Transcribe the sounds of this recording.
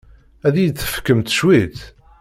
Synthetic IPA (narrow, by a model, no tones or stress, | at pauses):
æðijt͡sːə̥fkːəmt̪ʃwit̪